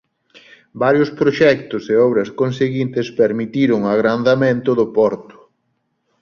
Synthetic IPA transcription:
baɾjʊspɾoʃɛkt̪ʊseɔβɾɐskonseɣint̪espeɾmit̪iɾʊŋaɣɾand̪amẽnt̪ʊðʊpɔɾt̪ʊ̥

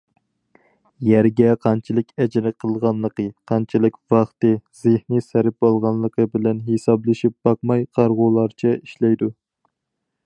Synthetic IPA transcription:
jɛɾɡʲɛqʰɑnt͡ʃʰilɪkʲɛd͡ʒɪɾɪqʰəlˠʁɑnlˠəqəqʰɑnt͡ʃʰilɪkʲvɑχt̪ɨz̥ɪhnisæɾɪp̚bolˠʁɑnlˠːəqʰəbɪlɛnɦesɑblˠɪʃip̚b̥ɑq̚mɑjqʰɑɾʁʊːlˠɑɾt͡ʃʰɛiʃlɛjd̪u

